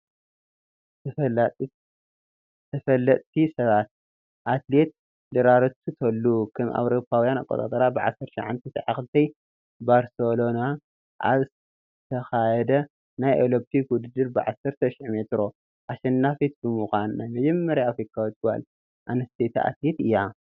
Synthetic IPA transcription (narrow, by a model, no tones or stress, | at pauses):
t̪ʰɐfɐlːɐt̪ʼt̪ʰisɐβat̪̚ | ʔat̪let̪̚ | dɨɾaɾɐt̪ʰut̪ʰɐlːukʰɐmʔa̰wɾo̞pʰːawjana̰kʼːot̪ʼa̰t̪ʼɐɾabɨʕa̰sɐɾt̪ʃɐʕa̰nt̪ʰɐsʕaxɨlt̪ʰɐj | baɾsolo̞na | ʔa̰β | t̪ʰɐxajɛd̪ɐ | najʔolop̚t̪ʰikwʊd̪ɨd̪ːɨɾbɨʕasɐɾt̪ʰɐʃiħme̞t̪ɾo̞ | ʔaʃɐnːafit̪̚bɨmɨxʷannajmɐd͡ʒɐmːɐɾjaafɾikʰawot̪̚ɡa̰l | ʔanɐst̪ʰet̪ʰaʔa̰t̪let̪ɨjːa